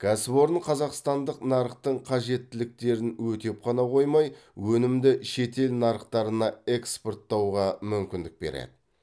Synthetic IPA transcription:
ɡ̥ɑsbo̞ɾəɴqʰɑzɑqst̪ɑnd̪əqnɑɾəqt̪əɴqʰɑʒe̞t̪ːɪlɪk̚t̪e̞ɾɪnwɵt̪e̞p̚qʰɑnɑqʰo̞jmɑjwɵnɪmd̪ɪʃe̞t̪e̞lnɑɾəqt̪ɑɾənɑe̞kspo̞rt̪ːɑwʁɑmʏmkʲɪnd̪ɪk̚be̞̰ɾḛd̪ɪ

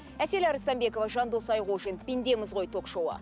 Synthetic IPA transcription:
æse̞lɑɾəst̪ɑmbe̞ko̞vɑʒɑnd̪o̞sɑjʁuʒenpʲind̪e̞mɪzʁo̞jt̪ʰo̞kʃowɑ̰

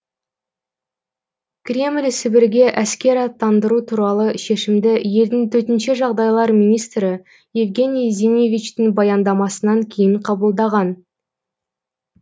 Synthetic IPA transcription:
kʲɾʲe̞mlʲsɪbɪɾɡʲe̞ʔæskʲe̞ɾɑt̪ʰːɑnd̪əɾut̪ʰuɾɑlˠəʃe̞ʃɪmd̪ɪje̞ld̪ɪŋt̪ʰɵɾt̪ɪnʃeʒɑʁd̪ɑjlˠɑɾmʲijnijst̪rɪ | je̞vɡʲe̞nʲijzʲenʲevʲit͡ʃt̪ɪŋbɑjɑnd̪ɑmɑsənɑŋkʲʰe̞jɪɴqʰɑbəlˠd̪ɑʁɑn

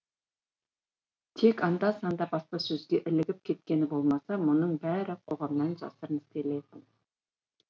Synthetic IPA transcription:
t̪ʰe̞kɑnd̪ɑsɑnd̪ɑbɑsq̪ɑsɵzɡʲe̞ʔɪlɪɡʲɪp̚kʲʰe̞t̪̚kʲe̞nɪbo̞lˠmɑsɑmʊnəɴbæɾɪqʰo̞ʁɑmnɑnʒɑ̰səɾənɪst̪e̞le̞jt̪ɪn

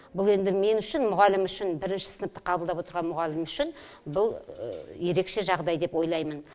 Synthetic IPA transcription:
bʊlˠe̞nd̪ɪme̞nʏʃɪnmʊʁɑlɪmʏʃɪnbɪɾɪnʃɪ̥sənəp̚t̪ə̥qʰɑblˠd̪ɑpwo̞t̪əɾʁɑnmʊʁɑlɪmʏʃɪn | bʊl̰ˠje̞ɾe̞kʃe̞ʒɑʁd̪ɑjd̪e̞pwo̞jlˠɑjmən

